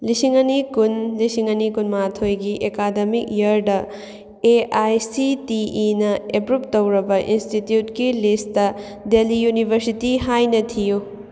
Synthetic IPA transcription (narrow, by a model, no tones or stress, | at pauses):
lisiŋɐnikunlisiŋɐnikunmatʰojɡiʔekademik̚jɐɾdɐ | eajsitiːnɐepɾup̚tɐwɾɐbɐʔinstitjutkilistɐ | delijunibʱɐɾsitiɦajnɐtʰiju